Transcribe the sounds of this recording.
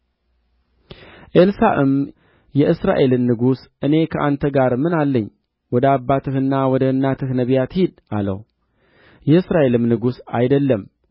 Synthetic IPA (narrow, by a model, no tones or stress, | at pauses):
ʔelsaʔɨm | jɛʔɨsɾa̰ʔe̞lɨnːɨɡusʔɨne̞kʰəʔant̪ʰəɡaɾmɨnalːəɲː | wɔd̪əabːat̪ʰɨhɨnːawɔd̪əɨnːat̪ʰɨhnəβijat̪hid̪ʔa̰lə̰w | jɛɨsɾaʔe̞lɨmnɨɡusa̰jd̪əlːəm